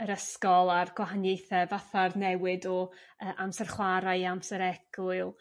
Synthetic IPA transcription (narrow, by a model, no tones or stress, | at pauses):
əɾəskɔlˠarɡwaɦanjejθɛvaθarnɛwɨdɔəːʔamsərχwaɾaɨamsəɾɛɡ̥ʊɨlˠ